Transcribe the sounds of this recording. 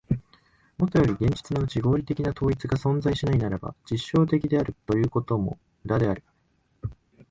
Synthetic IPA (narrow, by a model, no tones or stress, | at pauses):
mo̞t̪o̞jo̞ɾʲiɡẽ̞ɲ̟d͡ʑi̥t͡sɨnaɯt͡ɕiɡo̞ːɾʲit̪e̞kʲinat̪ʰo̞ːit͡sɨɡasõ̞nd͡zaiɕinainaɾaba̰d͡ʑiɕːo̞ːt̪̬e̞kʲid̪e̞aɾɯ̟t̪o̞jɯ̟ːko̞t̪o̞mo̞̰ | ɯɾad̪e̞aɾɯ̟